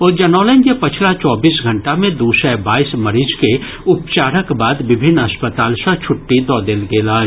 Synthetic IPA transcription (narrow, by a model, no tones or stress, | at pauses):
ɔːd͡ʒɐnɔːlə̃ŋɡepɐt͡ʃʰlat͡ʃɔːbiːsɡʱɐ̃ɳʈamẽd̪uːsɛbaːismɐɾiːd͡ʒke | ʊpt͡ʃaːɾəkbaːd̪ʋɪbʱɪnːɐspət̪aːlsə̃t͡ʃʰʊʈːid̪ɔːd̪eːlɡeːlaː